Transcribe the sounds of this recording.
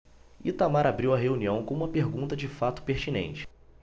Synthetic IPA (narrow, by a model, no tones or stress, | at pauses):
it̪amaɾabɾiwɐɦeuniɐ̃w̃kõũmɐpeɾɡũnt̪ɐd͡ʒɪfat̪ʊ̥peɾt͡ʃinḛ̃nt͡ʃɪ̥